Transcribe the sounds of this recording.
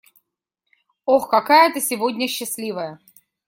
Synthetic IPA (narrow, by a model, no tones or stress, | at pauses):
oxkɐkajət̪əsʲɪvodʲnʲəɕːɪsʲlʲivəjə